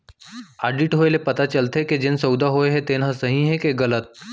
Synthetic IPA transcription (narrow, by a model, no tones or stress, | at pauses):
aːɖiʈɦoːelepɐt̪at͡ʃɐlt̪eked͡ʒensɐʊd̪aɦoeɦɛ̃t̪eːnãsɐɦĩɦɛ̃keɡɐlət̪̚